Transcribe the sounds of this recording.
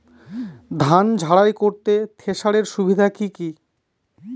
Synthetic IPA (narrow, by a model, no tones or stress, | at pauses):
d̪ʱand͡ʑʱaɽajkoɾt̪et̪ʰeʃaɽeɾʃubʱid̪ʱakiki